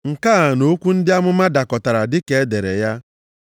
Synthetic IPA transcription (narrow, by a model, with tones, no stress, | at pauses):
ŋ̩˨ka˦a˨no˦kʷu˦n̩˦dɪ˦a˦mʊ˦ma˦da˨kɔ˨ta˨ɾa˨dɪ˦ke˨e˦de˨ɾe˨ja˦